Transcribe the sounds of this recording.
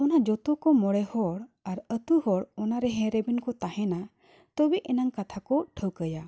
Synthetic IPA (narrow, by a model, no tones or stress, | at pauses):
ɔnad͡ʒɔt̪ɔkɔmɔɽɛhɔɽaɾət̪uhɔɽɔnaɾɛɦɛ̃ɾɛbinkɔt̪ahɛna | t̪ɔbiʔɛnaŋkat̪ʰakɔʈʰəwkəja